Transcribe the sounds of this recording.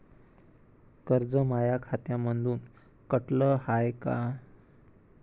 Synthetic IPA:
kəɾd͡zəmajakʰat̪jamənd̪uːn | kəʈləhajka

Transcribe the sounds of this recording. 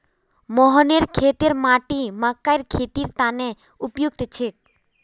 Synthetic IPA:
mɔɦɔneɾkʰet̪eɾmaʈimakːajɾkʰet̪iɾt̪ane | upjuɡ̚t̪t͡ʃʰek̚

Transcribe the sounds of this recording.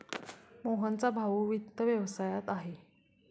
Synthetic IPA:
moɦənt͡sabʱaʋuːʋit̪ːəʋjəʋsajat̪aɦe

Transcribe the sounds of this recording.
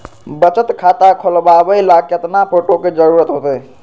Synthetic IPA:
bət͡ʃət̪kʰat̪akʰolbabəjlakjət̪napʰoʈoked͡ʒəɾuɾət̪ɦot̪əj

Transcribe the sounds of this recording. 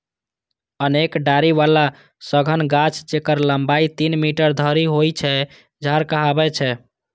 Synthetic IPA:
ənekɖaɾiʋala | səɡʱənɡat͡ʃʰd͡ʒekəɾləmbait̪inmiʈəɾd̪ʱəɾiɦojt͡ʃʰɛ | d͡ʒʱaɾkəɦabɛt͡ʃʰɛ

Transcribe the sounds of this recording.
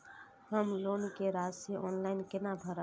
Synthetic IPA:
ɦəmloːnkeɾaːd͡ʒseʔɔːnlaːɪnkenabʱəɾa

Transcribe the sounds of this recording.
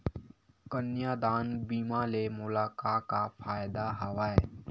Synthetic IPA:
kənjaːd̪aːnbiːmaːlemʊlaːkaːkafʰaːjd̪aɦɐʋaːɛː

